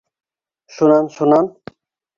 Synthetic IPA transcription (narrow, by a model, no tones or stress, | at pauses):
ʃunanʃunan